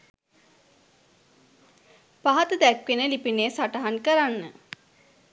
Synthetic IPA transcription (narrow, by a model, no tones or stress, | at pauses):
paɦat̪əd̪ækʋenəlipinesaʈaɦankəɾanːə